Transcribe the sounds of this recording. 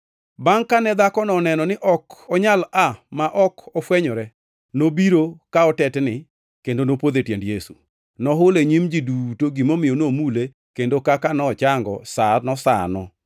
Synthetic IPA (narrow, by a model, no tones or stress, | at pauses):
baŋkanɛd̪akɔnɔnɛnɔnɪʔɔkɔɲalamaʔɔkɔfwɛɲɔɾɛ | nobiɾokaɔtɛtnɪ | kendonopwod̪etjendjesṵ | nɔɦʊleɲimd͡ʒidutoɡimomɪjɔnomule | kendokakanɔːt͡ʃaŋɡɔ̰sanɔsa̰nɔ̰